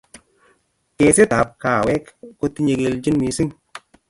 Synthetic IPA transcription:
ke˧se˦ta˨p̚kaː˨wɛ˦kːo˧ti˦ɲe˧ke˧ld͡ʒi˦nmi˧˦si˦ŋ

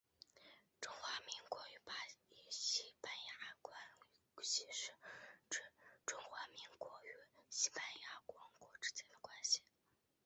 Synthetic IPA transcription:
ʈ͡ʂʊ˥ŋxwa˧˥mi˧˥ŋkwɔ˧˥y˧˥pa˧˩i˧˥˩ɕi˧˥pa˧nja˧˥kwa˧˥n˧˥ɕi˧˥ʂɻ̩˥˩˥ | ʈ͡ʂʊ˥ŋxwa˧˥mi˧˥ŋkwɔ˧˥y˧˥ɕi˧˥pa˧nja˥kwɑ˧˥ŋkwɔ˧˩ʈ͡ʂɻ̩˥t͡ɕjɛ˧˥nd̪ə˨kwa˥nɕi̥˨˩

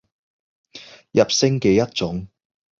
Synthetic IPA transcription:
jɐ˨p̚sɪ˥ŋke˨˧jɐ˥t̚t͡sʊ˨˥ŋ

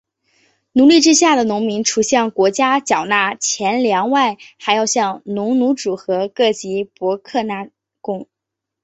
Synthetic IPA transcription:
nu˧˥li˥˩ʈ͡ʂɻ̩˥ɕja˥˩d̪ə˩nʊ˧˥ŋmi˧˥ŋʈ͡ʂʰu˨˩ɕjɛ˥˩ŋkwɔ˧˥t͡ɕja˥t͡ɕjɑ˨˩ʊna˥˩t͡ɕʰjɛ˧˥nljɑ˧˥ŋwa˥˩ɪxa˧˥ɪjɑ˥˧ʊɕjɑ˥˩ŋnʊ˧˥ŋnu˧˥ʈ͡ʂu˨˩xɤ˧˥kɤ˥˩t͡ɕi˧˥pwɔ˧˥kʰɤ˥˧na˥˩ | kʊ˥ŋ

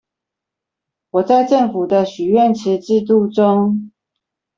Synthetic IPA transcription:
wɔ˨˩t͡sa˥˧ɪʈ͡ʂə˥˨ŋfu˨˩d̪ə˦ɕy˨˩ɥɛ˥˨nʈ͡ʂ̩ʰ˧˥ʈ͡ʂɻ̩˥˧t̪u˥˨ʈ͡ʂʊ˥ŋ

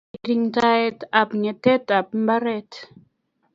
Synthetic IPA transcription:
ɾi˨ŋta˦ɛ˦ta˨pɲɛ˨tɛ˦ta˨p̚m̩˦ba˦ɾɛ˦t

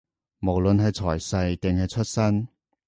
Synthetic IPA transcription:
mo˨˩wlɵ˧nɦɐ˨jt͡sʰɔ̰ː˨˩jsɐ˧jt̪e˨ŋhɐ˨˧jt͡ʃʰɵ˥t̚sɐ˥n

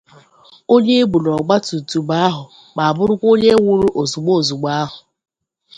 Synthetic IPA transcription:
o˦ɲe˦e˦ɡ͡bu˨lɔ˨ɡ͡ba˦tu˨tu˨ɡ͡ba˦a˦ɦʊ˨ | k͡pa˨a˨bʊ˦ɾʊ˦kʷo˦ɲe˦wʊ˦ɾʊ˦ʔo˨zu˨ɡ͡bo˦˨zu˨ɡ͡ba˦a˦ɦʊ˨

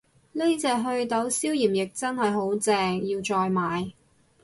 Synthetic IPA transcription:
le˥t͡sɛː˨˧ɦɵ˧ɥt̪ɐ˨˥wsiː˥wjiː˨˩mjɪ˨k̚t͡sɐ˥nhɐ˨jɦo˨˥wt͡sɛː˧ŋjiː˧wt͡sɔː˧jmaː˨j

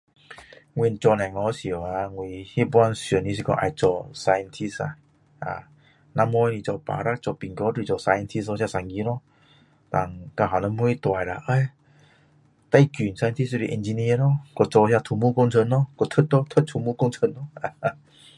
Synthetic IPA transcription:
ŋwi˧˨nt͡ɕɔ˧nã˨ŋɔ˨˧˦si˨ə˨˩a˧ŋwi˧hi˦bwa˧nsjə˨˩˨nĩ˧s̬i˧kɔ̰˧˨ʔa̰˧˨t͡ɕɔ˧sa˧jə˧nt̪ʰi˧sa̰˧˩ | a̰˨˩ | nã˧˦mɔ˧˦˧nĩ˧˨t͡sɔ˧˨pa̰˨ɾa˦˨k̚t͡sɔ˧˨pi˨ŋkɔ˧˦ti˧t͡sɔ˧sa˧jə˧nt̪ʰi˧sɔ˧sja˧sa˧˨ŋɡi˧˦nɔ˧˦ | t̪a˧˩ŋka˧ɦa˨nɔ˧˦mu˧˦i˦˧t̪wa˨jla̰˧˨ʔə˧˦j | t̪a˧˨ki˨nsa˧t̪ʰi˧˥si˧˨ʔɛ˧nd͡ʑi˧ni˧ə˨˧nɔ˥˦kɔ˧t͡sɔ˧sja˧t̪ʰu˧mu˧˦ko˧ŋt͡sʰə˧˨nːɔ˧˦kɔ˧˩t̪ʰə˦t̚t̪ɔ˧˦t̪ʰə˦t̚t̪ʰu˧˩mu˦˧˦ko˧ŋt͡sʰə˧˨nːɔ˦a˧˨˧

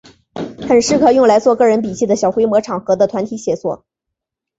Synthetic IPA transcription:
xə˨˩nʂɻ̩˥˩kʰɤ˨˩jʊ˥˩ŋla˧˥ɪt͡swɔ˥˧kɤ˥˩ɻə˧˥np̬i˨˩t͡ɕʰi˥˩d̪ə˩ɕjɑ˨˩ʊxwe˧˥ɪmwɔ˧˥ʈ͡ʂʰɑ˨˩ŋxɤ˧˥d̪ə˧t̪ʰwa˧˥nt̪ʰi˧˥ɕjɛ˨˩swɔ̰˥˩

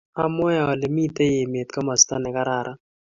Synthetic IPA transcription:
a˦mwɛ˦˨ɔ˨le˨mi˦t̪e˦je˨me˨t̪ka˦ma˨st̪a˦nɛ˨ka˦ɾa˨ɾʔa˦

